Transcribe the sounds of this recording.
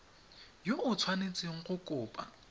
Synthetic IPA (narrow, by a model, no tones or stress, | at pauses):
joʊt͡sʰwanet͡sʼɪŋ̩χʊkʼʊːpʼa̰